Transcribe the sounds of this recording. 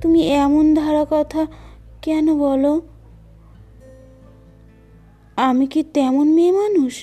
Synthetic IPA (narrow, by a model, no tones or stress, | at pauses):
t̪umiɛmond̪ʱaɾakɔt̪ʰakɛnobɔlo | amikit̪ɛmonmemanuʃ